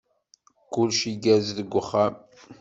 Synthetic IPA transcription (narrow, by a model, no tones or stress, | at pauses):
kʊlʃiɡæzðəɡʷːəχːam